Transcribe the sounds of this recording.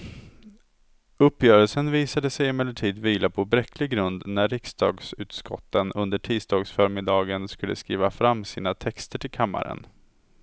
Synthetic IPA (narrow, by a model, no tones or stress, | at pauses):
ɵpːjœːɾəlsənviːsad̪əsɛjɪmɛlːəʈʰiːd̪viːlapʰɔbɾɛkʰːlɪɡɡɾɵnd̪næːɪksd̪ɑ̰ːɡsʉ̟ːt̪skɔ̰t̪ːənɵnd̪əʈʰiːst̪ɑːɡsfœɾmɪd̪ɑːɡənskɵlːə̰skɾḭːvafɾamːsiːnat̪ʰɛkst̪əʈʰɪlkʰamːa̰ɾə̰n